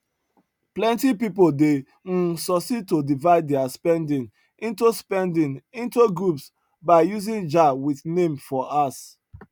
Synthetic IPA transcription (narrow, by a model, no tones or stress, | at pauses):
plɛ̃ntipipode | n̩sɔsitodivaɪddɛaspɛ̃ndĩn | ĩntuspɛ̃ndĩnĩntuɡɹups | baɪjuzĩnd͡ʒawiθnẽmfɔʔas